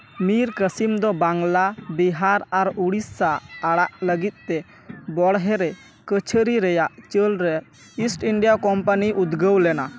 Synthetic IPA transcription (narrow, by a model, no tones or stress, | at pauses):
miɾkəsimd̪ɔbaŋlabiɦaɾaɾuɽisːaːɽaʔləɡit̪̚ˀt̪ɛ | bɔɽɦɛɾɛ | kət͡ʃʰəɾiɾɛjaʔt͡ʃəlɾɛ | isʈiɳɖijakɔmpaniʔud̪ɡəwlɛna